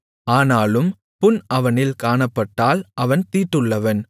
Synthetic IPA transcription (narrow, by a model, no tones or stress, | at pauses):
aːnaːlɯm | pʊnɐʋɐnɪlkaːɳɐpːɐʈːaːlʔɐʋɐnt̪iːʈːɯɭːɐʋɐn